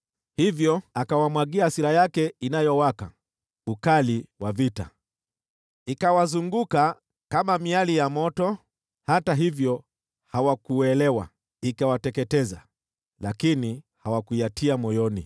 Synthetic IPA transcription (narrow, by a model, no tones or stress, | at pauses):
hivjɔakawamwaɡiasiɾajakɛinajɔwaka̰ | ukaliwavita̰ | ikawazuŋɡuka | kamamialijamɔtɔ | hataɦivjɔ | hawakuɛlɛwa̰ | ikawatɛkɛtɛza | lakini | hawakujatʰiamɔjɔnḭ